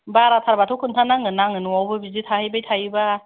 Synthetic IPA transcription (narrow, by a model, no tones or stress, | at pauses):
baɾatʰaɾbatʰokʰuntʰanaŋɯnaŋɯnuwawbɯbizitʰahɯjbajtʰajba